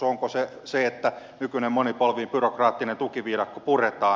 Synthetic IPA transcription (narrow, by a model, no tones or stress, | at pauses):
oŋkoseseet̪ːænykynemmonipolʋiːmpyrokrɑːt̪ːinent̪ukiʋiːdɑkːopuret̪ɑː